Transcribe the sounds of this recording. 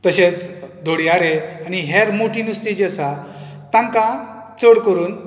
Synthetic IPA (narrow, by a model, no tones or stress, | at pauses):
t̪əɕet͡sd̪ʱoɽiaɾeañiɦeɾmoʈʰiːnust̪id͡ʑəsa | t̪ãŋkã | t͡səɽkəɾuːn